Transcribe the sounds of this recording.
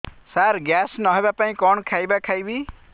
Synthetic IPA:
saɾɡjaːsnɔɦɔbapaːĩkɔɳkʰaːibakʰaːibiː

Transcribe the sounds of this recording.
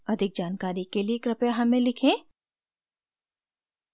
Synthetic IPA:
ɐd̪ʱɪk̚d͡ʒaːnkaːɾikelieːkɾɐpjaɦɐmẽlɪkʰẽː

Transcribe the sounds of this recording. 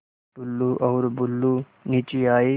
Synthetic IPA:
tʊlːuʔɔːɾbʊlːu | niːt͡ʃiaːiː

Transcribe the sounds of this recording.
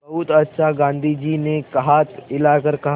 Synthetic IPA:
ɐut̪ɐt̪ːʃaɡãːnd̪ʱid͡ʒiːnekɐɦat̪ɪlakəɾkɐɦ

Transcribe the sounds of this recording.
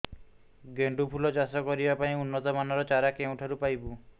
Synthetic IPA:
ɡeɳɖupʰulɔt͡ʃasɔkɔɾibapaĩunːɔt̪ɔmanɔɾɔt͡ʃaɾakeũʈʰaɾupajbu

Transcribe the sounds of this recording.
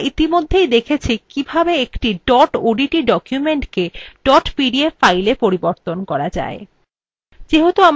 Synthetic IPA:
it̪imod̪ʱːejd̪ekʰet͡ɕʰikibʱabeekʈiɖɔʈoɖiʈiɖɔkjumeɳʈkeɖɔʈpiɖiefajlepoɾiboɾt̪onkɔɾad͡ʑa̰e | d͡ʑeɦot̪oam

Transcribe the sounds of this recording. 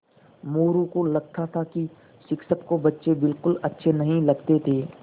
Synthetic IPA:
moːɾũkolɐɡt̪ʰat̪ʰaki | ʃɪkʃəkkobɐtːʃebɪlkʊlɐtːʃʰenɐɦĩlɐɡt̪et̪ʰeː

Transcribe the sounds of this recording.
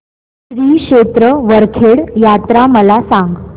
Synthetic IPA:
ɕɾiːkɕet̪ɾəʋəɾkʰeɽjat̪ɾaməlasaŋɡ

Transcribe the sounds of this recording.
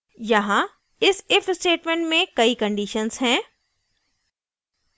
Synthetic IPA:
jɐɦã | ɪsɪfsʈeːʈmẽːɳʈmẽkɐikɐ̃ɳɖiːʃənzɦɛ̃ː

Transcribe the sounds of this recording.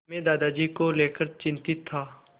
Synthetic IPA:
mẽːd̪aːd̪aːd͡ʒiːkoleːkəɾt͡ʃɪ̃nt̪ɪt̪ʰːaː

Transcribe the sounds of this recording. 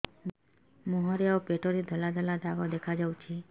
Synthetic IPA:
mɔɦɔɾeaowpeʈɔɾed̪ʱɔlad̪ʱɔlad̪aɡɔd̪ekʰad͡ʒawt͡ʃʰi

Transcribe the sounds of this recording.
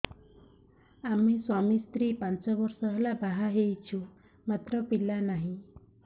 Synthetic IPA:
amiswamist̪ɾipant͡ʃɔbɔɾsɔɦelabaɦaɦejt͡ʃʰu | mat̪ɾɔpilanaɦĩ

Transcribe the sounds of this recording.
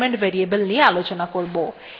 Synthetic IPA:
meɳʈbeɾiebəlniealot͡ɕonakoɾbo

